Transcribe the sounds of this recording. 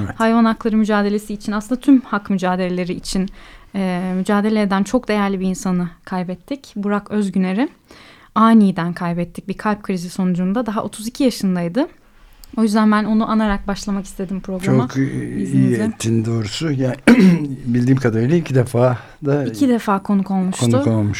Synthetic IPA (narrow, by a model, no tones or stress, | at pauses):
hajvanaklˠaɾɯmyd͡ʒaːd̪e̞lʲe̞siːt͡ʃʰinasˠɯnd̪at̪ʰymhakmyd͡ʒaːd̪elʲe̞lʲe̞ɾiːt͡ʃʰinɛmyd͡ʒaːd̪e̞lʲeːd̪ænt͡ʃʰo̞k̚d̪e̞jæɾlʲibiiːnsanɯkʰajbɛt̪ʰːicbuɾakø̞zɟyne̞ɾɪ | aːnijd̪ænkʰajbɛt̪ʰːic̚bikʰalʲp̚kʰɾiziso̞nud͡ʒund̪ad̪aɦaʔo̞t̪ʰuzicʰijaʃɯnd̪ajd̪ɯ | o̞jyzd̪ænbæno̞nuʔanaɾak̚baʃlˠamaki̥st̪ʰe̞d̪impʰɾo̞ɡt͡ʃɾaokiiːɛt̪ʰːind̪o̞ːɾusʊja | bilʲd̪iːmkʰad̪aɾɯːlʲaicʰid̪efaː | d̪aicʰid̪efaːkʰo̞nukʰo̞lˠmuʃonʊolˠmuʃ